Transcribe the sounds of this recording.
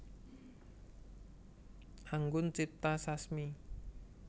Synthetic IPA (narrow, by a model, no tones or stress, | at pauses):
aŋɡʊnt͡ʃit̪asasmi